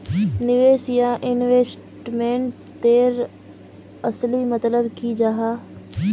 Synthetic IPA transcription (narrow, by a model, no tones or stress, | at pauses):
nɪʋeːsjãʔɪnʋeːs | ʈmẽːɳʈ | t̪eːɾ | ɐslimɐt̪ləbkʰid͡ʒaːɦaː